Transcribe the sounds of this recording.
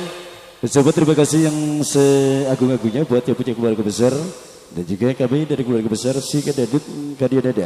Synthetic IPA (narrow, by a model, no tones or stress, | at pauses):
sabat̪əɾimakasɪhjaŋsəaɡʊŋaɡuɲabuat̪̚japut͡ʃakəluarkəbəsar | dand͡ʒuɡakamidaɾikəluarkəbəsarsɪkadadɪt̪kadiadada